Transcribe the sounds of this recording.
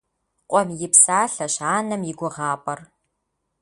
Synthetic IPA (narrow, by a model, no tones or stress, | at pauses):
qʷʼɔmjɪpsaːɬɐɕaːnɐmjɪɡʷʊʁɑːpʼɐr